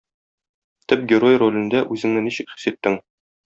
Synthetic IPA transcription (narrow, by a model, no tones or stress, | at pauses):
t̪ɘp̚ɡʲɪɾo̞jrolʲɘ̆nd̪æʔʉzɘ̆ŋnɘniɕɘ̆kχɵ̥̆sɘt̪ːɘŋ